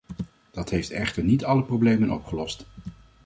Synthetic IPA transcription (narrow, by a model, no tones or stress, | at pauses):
d̥ɑtɦejftɛχtəɹnitɑləprowblejmənɔpχəlɔst